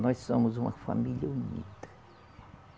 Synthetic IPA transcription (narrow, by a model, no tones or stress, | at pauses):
nɔjssomʊzũmɐfa̰miʎɐunḭt̪ɐ̥